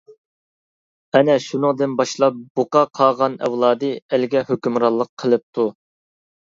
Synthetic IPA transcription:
ɛnɛʃunɨŋd̪ɨnbɑʃlˠɑp̚b̥oqɑqʰɑʁɑnɛ̰wlˠɑːd̪ɨælɡʲɛhøkʲymɾɑlˠːəqʰːəlˠɨp̚t̪ʰu

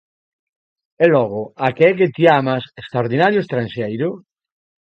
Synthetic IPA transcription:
elɔɣoakeɛk̬et̪iamasest̪ɾaoɾðinaɾjoest̪ɾansejɾʊ

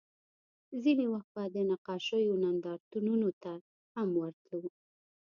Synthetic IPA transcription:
zinewaxt̪̚bad̪ənaqɑʃəjonand̪ɑɾt̪ununot̪a | hamwəɾt̪luw

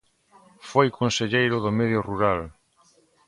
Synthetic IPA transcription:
fojkʰonseʎejɾʊðomeðjoruɾal

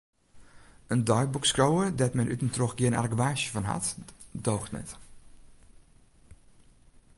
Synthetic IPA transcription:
əndɔjk̚bukskrowədɛtmɛnʔytən̩troxɡjɪəna̰rɡʋaːʃjəvɔnɦa̰tdoːxtnɛ̰t

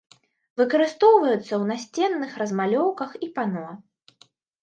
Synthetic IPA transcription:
vɨkɐɾɨst̪ɔwvɐjut̪sːɐwnasʲt͡sʲɛnːɨxrɐzmalʲɔwkɐxipanɔ

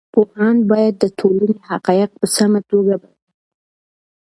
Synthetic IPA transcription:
pohɑnbɑjad̪ːət̪ʰolanehaqɑjɪq̚pəsamat̪oɡaba | i

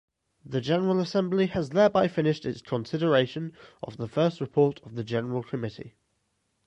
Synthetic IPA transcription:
ðəd͡ʒɛnəɹələsɛ̃mbliəzðɛːbaɪfɪ̃nɪʃtɪtskʰə̃nsɪɾəɹeɪʃə̃nʔə̰vðəfɜˑstɹɪpʰɔˑtʰəvðəd͡ʒɛnəɹəlˠkʰəmɪtʰḭ

